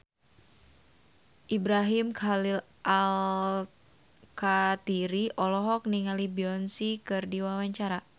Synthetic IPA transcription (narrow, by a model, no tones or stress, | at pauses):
ʔibɾaɦimkʰalil | ʔal | kat̪iɾiʔɔlɔɦɔk̚niŋalibiɔnsikɨrdiwawaɲt͡ʃaɾa